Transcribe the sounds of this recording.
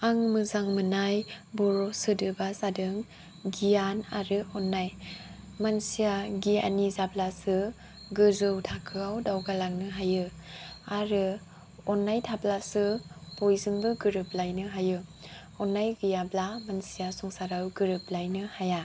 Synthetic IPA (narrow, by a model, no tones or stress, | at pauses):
aŋmɯzaŋmɯnajbɔɾosɯdɯbasadɯŋ | ɡijanaɾɯɔnːaj | mansijaɡia̰nizablasɯ | ɡɯzɯwtʰakʰɯawdawɡalaknɯɦajɯaɾɯ | ɔnːajtʰaplasɯpojzɯŋbɯɡɯɾɯp̚lajnɯɦajɯ | ɔnːajɡɯjablamansijasɔŋsaɾawɡɯɾɯp̚lajnɯhaja